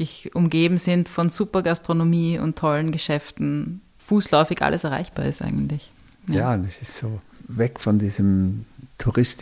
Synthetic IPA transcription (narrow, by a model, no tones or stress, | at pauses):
ɪçʔʊmɡeːbm̩zɪntfɔnzuːpɐɡastʁ̥onomiːʊ̰ntʰːɔlənɡəʃɛftn̩ | fuːslɔʏfɪçʔa̰lʔəsɛɐʁa̰ɪçb̥aːɐɪstʔa̰ɪɡən̩tlɪç | jjaːnɛsɪstsoːvɛkfɔndiːzəmtʰuʁɪst